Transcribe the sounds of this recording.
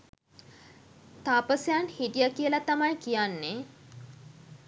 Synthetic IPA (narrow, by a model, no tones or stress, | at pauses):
t̪aːpəsjanhiʈijakijəlat̪amajkijanːe